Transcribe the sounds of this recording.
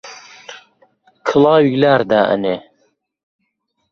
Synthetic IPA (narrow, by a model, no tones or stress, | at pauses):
kʰɨlɑːwiɡlaːɾd̪aːʔə̰ne